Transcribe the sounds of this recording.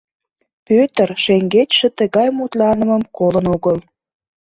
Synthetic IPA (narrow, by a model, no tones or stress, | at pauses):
pøt̪ərʃeŋɡet͡ɕʃə̆t̪əɣɑjmut̪lɑnəməmkolənoɣəl